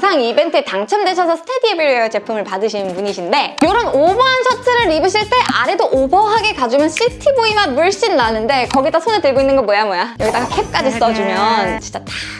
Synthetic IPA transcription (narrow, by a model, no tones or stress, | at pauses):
sʰaŋibe̞ntʰɯetaŋt͡ɕʰʌmdet͡ɕʰʌsʰʌsʰɯ̥tʰediebiɾoejʌt͡ɕe̞pʰumɯɭpadɯɕʰinɯnpuɲiɕʰinde̞joɾɯnobʌɦansʰʌtʰɯɾɯɭːibɯɕ̬ʰiɭt͈e̞ʔaɾe̞doʔobʌɦaɡe̞kad͡ʑumjʌnɕ͈itʰiboimamuɭɕ͈inːanɯnde̞kʌɡidasʰonetɯɭɡoinːɯnɡʌmwʌjamwʌjajʌɡidaɡakʰep̚k͈ad͡ʑis͈ʌd͡ʑumjʌnt͡ɕit͡ɕ͈ʌt͈ʰḁ